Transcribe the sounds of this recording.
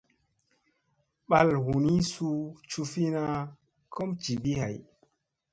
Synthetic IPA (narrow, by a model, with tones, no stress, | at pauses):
ɓa˦lhu˨ni˦su˧t͡ʃu˧fi˦na˧ | ko˦mt͡ʃi˨bi˦ha˨j